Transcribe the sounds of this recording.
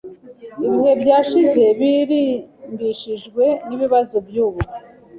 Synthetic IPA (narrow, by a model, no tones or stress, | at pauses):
iβihe̞bɟaːʃize̞βiɾimbiʃiʒɡwe̞niβiβazobjuːβuɾi